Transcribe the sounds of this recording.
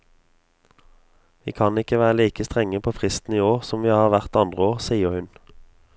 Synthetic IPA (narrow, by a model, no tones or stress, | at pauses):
ʋḭːkʰɑnɪkəʋæːʁəliːkəst̪ʁɛŋəpʰoːfʁɪst̪n̩iːoːʁsɔmʋiːhɑːʁʋæʁt̪ɑnd̪ʁəoːʁsiːəʁhʉn